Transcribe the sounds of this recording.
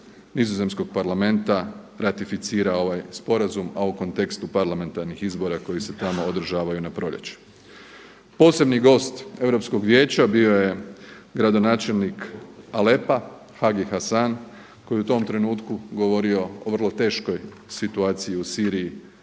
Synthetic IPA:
nizoze̞msko̞ɡ̥̚paɾlame̞nt̪a | ɾat̪ifit̪siːɾao̞ʋajspo̞ɾazumauko̞nt̪e̞kst̪upaɾlame̞nt̪aɾnixizbo̞ɾako̞jise̞t̪amo̞od̪r̩ʒaːʋajunapɾo̞ʎʲḛt͡ɕu̥ | po̞ːse̞bniɡo̞ːst̪e̞ʋɾo̞psko̞ɡʋje̞ːt͡ɕabio̞jeɡɾad̪o̞naːt͡ʃe̞lˠnikale̞pa | xaɡixasan | ko̞jeut̪o̞mt̪ɾe̞nuːt̪kuɡo̞ʋo̞ɾio̞oʋr̩lˠot̪e̞ːʃko̞j | sit̪uaːt̪sijiusiːɾiji

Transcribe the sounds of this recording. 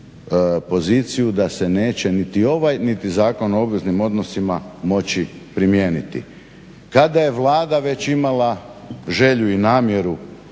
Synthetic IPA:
po̞ziːt̪sijud̪ase̞ne̞ːt͡ɕe̞nit̪io̞ʋajnit̪izaːko̞noo̞bʋeznimo̞d̪no̞simamo̞t͡ɕipɾimje̞ːnit̪ḭ | kad̪aje̞ʋlˠaːd̪aʋe̞t͡ɕimala | ʒe̞ʎuinaːmje̞ɾu

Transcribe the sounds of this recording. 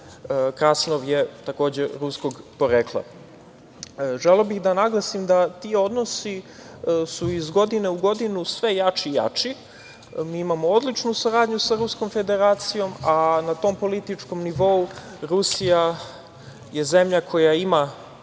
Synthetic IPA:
kɾasnoʋjet̪ako̞ːd͡ʑeɾusko̞ɡpo̞ɾeːklˠa̰ | ʒeleobixd̪anaɡlˠasimd̪at̪io̞d̪no̞si | suizɡo̞d̪ineuɡo̞d̪inusʋejat͡ʃiːja̰t͡ʂi | miːimamood̪lit͡ʃnusuɾaːd̪ɲusaɾuskomfe̞d̪eɾaːt̪sijo̞manat̪o̞mpo̞lit̪it͡ʂko̞mniʋo̞u | ɾusija | jeze̞mʎakʰo̞jaima

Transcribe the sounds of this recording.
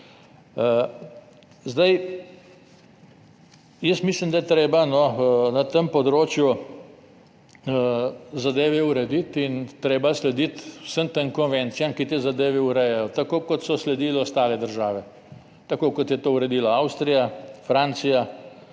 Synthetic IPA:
zd̪aj | jəsmislimd̪ajɛt̪ɾeːbanɔnɐt̪əmpɔd̪ɾoːt͡ʃju | zad̪eːʋɛuɾɛd̪it̪int̪ɾeːbaslɛd̪it̪wsəmt̪əŋkɔnʋɛ̃nt̪sijamkit̪eːzad̪eːʋɛuɾɛjɛjɔt̪akoːkɔt̪sɔslɛd̪iːlɛɔst̪aːlɛd̪əɾʒaːʋɛ | t̪akoːkɔt̪jɛt̪oːuɾɛd̪iːlaawst̪ɾijafɾaːnt̪sija

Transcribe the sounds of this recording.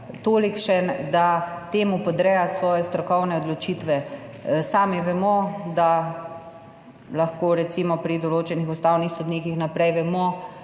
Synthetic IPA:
t̪oːlikʃɛd̪at̪eːmupɔd̪ɾɛjasʋɔːjɛst̪ɾɔkɔwnɛɔd̪lɔt͡ʃiːt̪ʋɛsaːmiʋɛmɔd̪a | laxkoːɾɛt̪siːmɔpɾid̪ɔloːt͡ʃɛnixust̪aːwnixsod̪niːkixnapɾɛjʋɛmɔ

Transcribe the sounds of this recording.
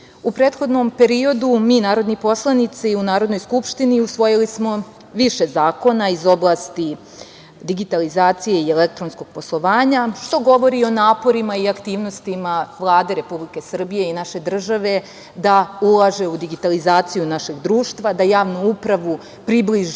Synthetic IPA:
upɾeːt̪xo̞d̪no̞mpe̞ɾio̞d̪umiːnaːɾo̞d̪nipo̞slˠanit̪siunaːɾo̞d̪no̞jskupʃt̪iniusʋo̞jilismo̞ | ʋiʃe̞zaːko̞naizo̞blˠast̪i | d̪iɡit̪alizaːt̪sije̞ielek̚t̪ɾonsko̞ɡ̥̚po̞slˠo̞ʋaːɲaʃt̪oɡo̞ʋo̞ɾio̞naːpo̞ɾimaiakt̪iːʋno̞st̪imaʋlˠaːd̪e̞ɾe̞publike̞sr̩bije̞inaʃe̞d̪r̩ʒaʋe̞ | d̪aulˠaʒe̞ud̪iɡit̪alizaːt̪sijunaʃeɡd̪ɾuːʃt̪ʋad̪ajaːʋnuupɾaʋu | pɾibliʒ

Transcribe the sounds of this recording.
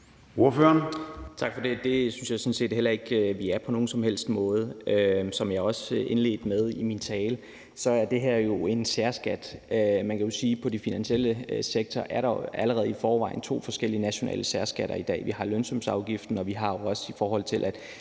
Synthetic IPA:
o̝ɐføɐnt͡sʰɑ̈ɡ̥fɒ̽de̝d̥e̝synsjɑ̈ɪsɔ̽nse̝̰ːd̥hel̰ɐe̝ɡ̥ʋiæɐpʰɒno̝ːn̩sɒ̽mhel̰sd̥mɔ̽ːð̞̩ˠøsɒ̽mjɑ̈ɒ̽sʔe̝nle̝̰ːd̥með̞ˠimint͡sʰɛːl | sɒ̽æɐd̥e̝ɦeɐ̰jo̝e̝nsæɐsɡ̥æd̥ømænkʰæjo̝siːpʰɒ̽d̥ifinænɕiel̰əseɡ̥̚t͡sʰɒʔæɐɾ̥ɑ̈æləʁɛːð̩ˠifɒːʋɑ̈ɪ̰n̩t͡sʰo̝̰ːfɒ̽sɡ̥el̰iənæɕo̝nɛ̰ːləsæɐsɡ̥æɾ̥ɐid̥ɛ̰ːʋihɑ̈lønsɒ̽msɑ̈ʊɡ̥ifd̥n̩ɒ̽ʋiɦɑ̈jo̝ɒ̽səifɒːɦɒ̽l̰t͡sʰe̝lʔæd̥

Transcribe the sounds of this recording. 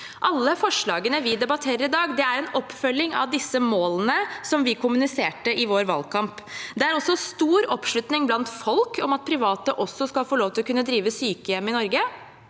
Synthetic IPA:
ʔɑlːəfɔʂɭɑːɡənəʋɪd̪ɛbɑt̪ʰeːɾəɾɪd̪ɑːɡd̪ɛæɾɛnɔpːfœlːɪŋɑ̰ʋd̪ɪsːəmoːlənəsɔmʋɪkʰʊmʉnɪseːʈəɪʋoːɾʋɑ̰lkʰɑmpd̪ɛæɾɔsɔst̪uːɾɔpʂɭʉt̪nɪŋblɑnt̪fɔlkɔmɑt̪̚pʰɾɪʋɑːt̪əʔɔsːɔskɑlfoːɭoːʋt̪ɪlɔkʉnːəd̪ɾiːʋəsyːkəjɛmːɪnɔɾɡə

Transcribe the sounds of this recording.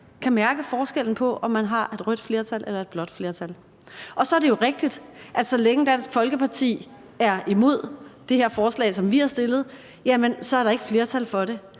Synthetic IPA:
kʰæmæɐɡ̥əfɒːsɡ̥el̰n̩pʰɒ̽ʔɒ̽mːænɦɑ̈ʔe̝d̥ʁœd̥fle̝ɐt͡sʰælʔelɐe̝d̚b̥lɒ̽d̥fle̝ɐt͡sʰæl | ʔɒ̽sɒ̽ɐɾejo̝ʁeɡ̥̚d̥id̥ʔæd̥sɒ̽leŋəd̥æn̰sɡ̥fɒ̽lɡ̥əpʰɑ̈t͡sʰḭː | æɐimo̝ð̞̰ˠd̥e̝he̝ɐ̰fɒːslɛ̰ːsɒ̽mʋiæɐsd̥e̝lð̞̩ˠ | jæmensɒ̽æɐɾɑ̈e̝ɡ̥əfle̝ːɐt͡sʰælfɒ̽ɾe̝

